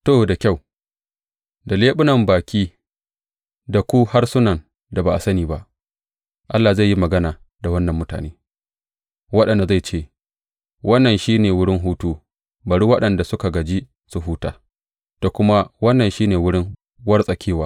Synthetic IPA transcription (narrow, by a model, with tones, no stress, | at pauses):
toː˦˨da˨kʲa˦˨w | da˨leː˦ɓʊ˦nɐ˦˨mbaː˨kʲʰiː˦ | da˨kʷu˦ha˦rsʊ˦nɐ˨n | da˨ba˨ʔa˨sɐ˦niː˨ba˦ʔ | ʔa˦lːa˨za˦˨jːi˦mɐ˨ɡɐ˦naː˨ | da˨wɐ˦nːɐ˨mːʊ˦ta̰ː˨neː˦ | wɐ˦ɗɐ˨nda˨za˦˨jt͡ʃeː˦ | wɐ˦nːɐ˨nʃiː˦neː˨wʊ˦ɽɪ˦ŋɦuː˦tuː˦ | bɐ˨ɽu˦wɐ˦ɗɐ˨nda˨sʊ˦ka˨ɡɐ˨d͡ʒi˦ | su˨ɦuː˦ta̰ː˨ | d̥a˨kʷʊ˦ma˦wɐ˦nːɐ˨nʃiː˦neː˨wʊ˦ɽɪ˦ŋ | wɐ˦rsʼɐ˨kʲʰeː˦˨waː˦